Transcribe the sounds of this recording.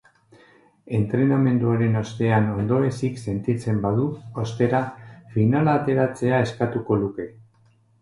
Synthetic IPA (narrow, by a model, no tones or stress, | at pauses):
e̞nt̪ɾe̞name̞nd̪uaɾe̞no̞st̪e̞ano̞nd̪o̞ɾe̞sikse̞nt̪it͡se̞mbaðuost̪e̞ɾafinalaːt̪e̞ɾat͡se̞ae̞skat̪uko̞luke̞